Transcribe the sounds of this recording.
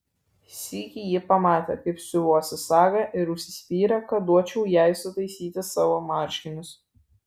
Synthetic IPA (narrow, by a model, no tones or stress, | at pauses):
sʲiːkʲijiːpɐmɑːt̪ʲḛkɐɪpsʲʊʋuɔsʲɪsɑːɡɐʔɪɾʊʃʲsʲɪ̥sʲpʲiːɾɐkɐd̪uɔt͡ʃʲɛʊjæɪsʲʊt̪ɐɪsʲiːt̪ʲɪsɑːʋoːmɑːˑɾʲʃʲkʲɪnʲʊs